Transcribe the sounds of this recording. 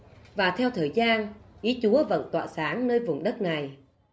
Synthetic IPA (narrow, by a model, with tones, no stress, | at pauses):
vaː˨˩t̪ʰɛ˧wt̪ʰəː˨˩jzaː˧nʔi˨˦t͡ɕu˨˦əvə̰˧˨nt̪wa̰ː˧˨saː˨˦ŋnəː˧jvʊ˨˩ŋ͡mɗə˦˥t̚na˨˩j